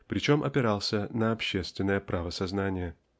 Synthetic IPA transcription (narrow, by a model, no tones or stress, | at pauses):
pɾʲɪt͡ɕo̞mʔɐ̰pʲɪɾalˠsʲənəɐpɕːest̪vʲɪnːəjəpɾʔavəsɐznanʲɪjə